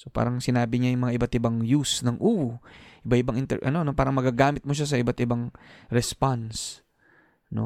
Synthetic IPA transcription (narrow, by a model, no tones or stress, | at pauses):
sopa̰ːɾɐŋsɪnaːbɪɲajʊŋmɐŋaʔɪbat̪ɪbaŋjusnɐŋʔuːwoʔɪbaɪbaŋɪnt̪ɛ̰ʔɐ̰no̞no̞paːɾɐŋmɐɡaɡaːmɪt̪̚moʃas̬ɐɪbat̪ʔɪbaŋɾɛspans | no̞̰